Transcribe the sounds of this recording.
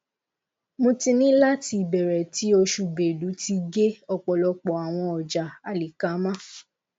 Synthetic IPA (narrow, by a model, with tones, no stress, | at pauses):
mõ˧ti˧nĩ˦la˦ti˧˨bɛ˨ɾɛ˨ti˨˦o˧ʃu˧be˨du˨˦ti˧ɡe˦ɔ˧k͡pɔ˨lɔ˧k͡pɔ˨a˨w̃ɔ̃˧ɔ˨d͡ʒa˨a˨li˨ka˨˦mã˦